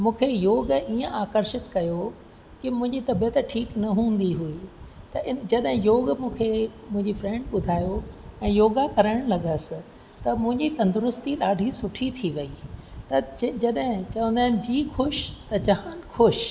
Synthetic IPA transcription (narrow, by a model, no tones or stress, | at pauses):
mũːkʰejoːɡiːə̃aːkəɾʃɪt̪kɐjo | kɪmʊ̃ɦɪ̃ɲd͡ʑit̪ɐbjet̪ɐʈʰiːknɐɦũːn̆d̪iɦui | t̪ɐʔɪnd͡ʑɐɗɦɪ̃joːɡmũːkʰemʊ̃ɦɪ̃ɲd͡ʑifɾɛ̃ːɳɖɓʊd̪ʱaːjoɛ̃ːjoːɡakɐɾəɪɽ̃lɐɠəsɪ̆ | t̪ɐmʊ̃ɦɪ̃ɲd͡ʑit̪ɐ̃nd̪ʊɾʊst̪iɗaːɖʱisʊʈʰit̪ʰiʋɐiːt̪ɐd͡ʑɐɗɦɪ̃t͡ɕɐʋə̃nd̪aːɪnɪ̆d͡ʑiːxʊʃt̪ɐt͡ɕɐɦaːnxʰʊʃ